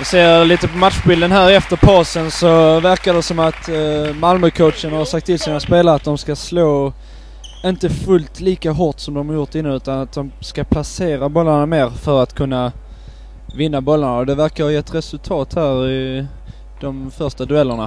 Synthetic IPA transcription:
seːɾliːt̪əpʰɔmat̪ɧbɪld̪ənɦæːɾɛft̪əɾpʰɑːsənsɔvæɾkadɛsɔmat̪malmœkʰəʊt̪ʂənhaɾʂak̚t̪ʰːɪlsiːnaspeːlaɾəat̪̚d̪ɔmskasloː | ɪnt̪əfɵlt̪liːkaɦɔt̪sɔmd̪ɔmhɑɾjʊɾʈ̪ːɪnːənʉ̟ːt̪anat̪̚d̪ɔmskapʰlaseːɾabɔlːaɳameːɾfœɾat̪kʰɵnːa | vɪnːabɔlːaɳaɔd̪ɛvæɾkaɾhɑjɛt̪ːɾɛsɵlt̪ʰɑːt̪hæːɾɪ | d̪̥ɔmfœɾʂʈad̪ɵɛlːəɳa̰

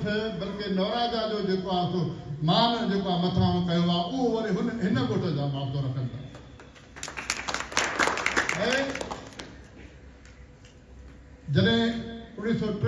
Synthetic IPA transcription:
t̪ʰɪbɐlkɪnɔːɾaːzad͡ʑoːd͡ʑeːkoasomaːnd͡ʑeːkoamɐt̪ʰãːkɐjoaːʊɦoʋɐɾiɦʊnɦɪnəɡoːʈʰəd͡ʑãːbaːbt̪oɾɐkʰə̃nd̪a̰ː | ẽː | d͡ʑɐɗɦɪ̃ʊɽ̃isɔʈ

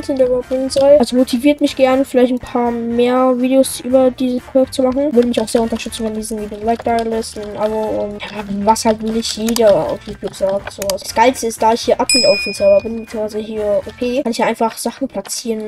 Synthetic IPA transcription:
tɪndeːbap̚ɪnnzɔɪalzomotʰiviːɐtmɪçɡ̥ɛɐnəfɪlaɪçtn̩pʰaːɐmeːɐviːdeosʔyːbɐdiːzəspʁ̥oɔɛkt͡sumaχn̩vʏɐɾəmɪçaʊxsz̥eːɐʊntɐʃtʏt͡sn̩ɛndiːzn̩viːdɪnlaɪk̚d̥aɪɐlɪstʔaboʊntjavashaltvɪlɪçjeːdɐa̰ʊfjuːtʰjuːpz̥aːk̚z̥oːvasḁsɡ̥aɪlstəɪstd̥aːɪçhiːɐʔapitaʊffizaʊbɐbɪnbɪt͡siːəŋvaɪzəɦiːɐʔopʰeːkʰanɪçd̥aːʔaɪnfaχz̥aχn̩pʰl̥at͡siːʁən

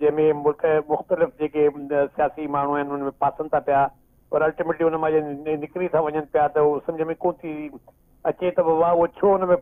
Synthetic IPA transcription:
ɐ̃ɦmẽmʊlkmʊxt̪əlɪfd͡ʑeːkesijaːsimaːɳ̤uaːɪnɪʊnmẽpaːsə̃nd̪̚t̪ʰapija | pɐɾɐlʈimeːʈliʊnəmãd͡ʑənɪkɾit̪ʰãʋɐɲənɪ̆pijat̪ɐsɐ̃md͡ʑʱəmẽkõːt̪ʰi | ɐt͡ɕet̪ɐɐʋaʊɦot͡ɕʰoʊnəmẽ

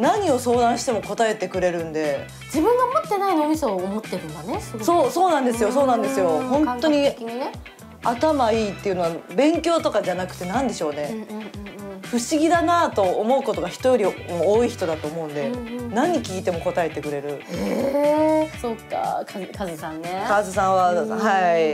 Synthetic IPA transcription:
naɲ̟io̞so̞ːd̪ãɕi̥t̪e̞mo̞ko̞t̪ae̞t̪e̞kɯ̟ɾe̞ɾɯ̟̃nd̪e̞ | d͡ʑibɯ̟̃ŋɡamot̪ːe̞nainomʲisoːmot̪ːeɾɯ̟nd̪aneso̞ːso̞ːnãnd̪e̞sɨjo̞so̞ːnãnd̪e̞sɨjo̞hõ̞nt̪ːo̞ɲ̟i | at̪amait̪ːe̞iɯ̟no̞abẽ̞ŋkʲo̞ːt̪o̞kad͡ʑanakɯ̟̥t̪ːe̞nãnd̪e̞ɕo̞ːnẽ̞ | ɸɯ̟ɕiɡʲid̪anat̪o̞ːmo̞ɯ̟ko̞t̪o̞ɡaçi̥t̪o̞jo̞ɾʲimoːiçi̥t̪o̞d̪at̪o̞ːmo̞ɯ̃nd̪e̞nãɲ̟ikʲiːt̪e̞mo̞ko̞t̪ae̞t̪e̞kɯ̟ɾe̞ɾɯ̟ | sokːa̰kkazsãnːekazɨs̬ãɰ̃βahai

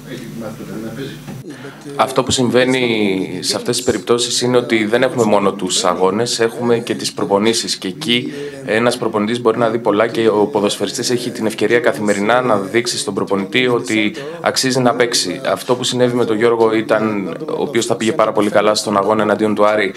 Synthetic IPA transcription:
ɐft̪o̞pusiɱve̞niseɐft̪esispeɾip̚t̪o̞sisine̞o̞t̪iðe̞ne̞xume̞mo̞no̞t̪usɐ̰ɣo̞ne̞se̞xume̞ce̞t̪ispɾo̞po̞nisisce̞ːci | e̞nɐspɾo̞ponit̪izbo̞ɾinɐðipo̞lɐce̞opo̞ðo̞sfeɾist̪ise̞çit̪ine̞fce̞ɾiɐkɐθime̞ɾinɐnɐðiksist̪o̞bɾo̞po̞nit̪io̞t̪i | ɐ̰ksizinɐpe̞ksiɐ̰ft̪o̞pusine̞vime̞t̪o̞ʝo̞ɾɣo̞it̪ɐno̰ːpio̞sθɐpiʝe̞pɐɾɐpo̞likɐlɐst̪o̞nɐɣo̞nɐenɐnd̪io̞nt̪uɐɾi

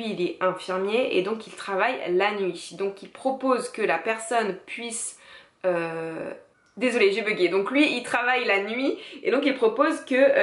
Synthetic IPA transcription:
ilɛɛ̃fiʁmjeʔḛd̪ɔ̃kilt̪χavajlanɥid̪ɔ̃kilpχɔpozkəlapɛʁsɔnpɥis | ø | d̪ezɔleʒebəɡʲed̪ɔ̃klɥiilt̪χavajlanɥiḛd̪ɔ̃k̬ilpχɔpozkə

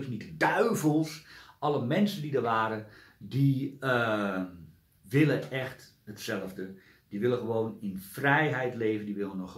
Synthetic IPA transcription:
snitdœɥvəlˠsɑləmɛnsəndidəɹʋaːɾədi | ʋɪləɛxt | ɦətsɛləvdə | d̥iʋɪlˠəχəʋoːnɪnfrɛjɦɛjtleːvəndiʋɪlˠənɔχ

